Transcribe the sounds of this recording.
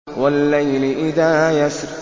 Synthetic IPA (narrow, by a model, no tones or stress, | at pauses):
wɐlːajlɪʔɪðaːjasɾ